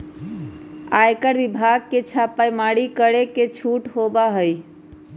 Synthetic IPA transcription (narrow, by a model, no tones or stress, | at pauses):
ajkəɾbibʱaɡ̚ket͡ʃʰapajmaɽikəɽeket͡ʃʰuʈɦobaɦəj